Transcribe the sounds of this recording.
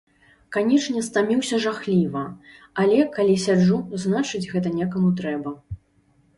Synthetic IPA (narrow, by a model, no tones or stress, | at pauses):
kanʲɛt͡ʂnʲɛst̪amʲiwsʲɐʐaxlʲivɐ | alʲɛkalʲisʲad͡ʐuznat͡ʂɨd͡zʲɣɛt̪ɐnʲakamut̪ɾɛbɐ